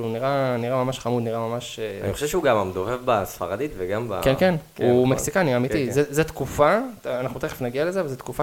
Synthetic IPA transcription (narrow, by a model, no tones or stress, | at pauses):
uniʁaniʁamamaʃχamud̪niʁamamaʃa̰niχoʃevʃuɡamamd̪ovevbasfa̰ʁad̪it̪veɡamba̰kenkenumeksikaniamit̪izezet̪kufaanaχnut̪eχefnaɡiale̞zeavalzet̪kufa